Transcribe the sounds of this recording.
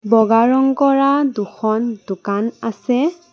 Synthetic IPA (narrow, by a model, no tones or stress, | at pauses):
bɔɡaɹɔŋkɔɹaduxʰɔndʊkanasɛ